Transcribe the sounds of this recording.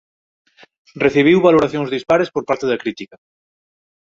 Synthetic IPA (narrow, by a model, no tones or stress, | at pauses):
reθiβ̞iwβaloɾaθjõŋzðispaɾespoɾpaɾt̪eðakɾit̪ikɐ